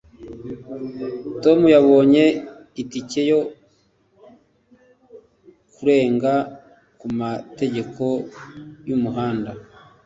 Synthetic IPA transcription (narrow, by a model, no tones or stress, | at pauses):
to̞mujaβo̞ːɲe̞ | itice̞jo̞ | kuɾe̞ːŋɡa | kumate̞ɟe̞kʰo̞ | jumuɦaːnda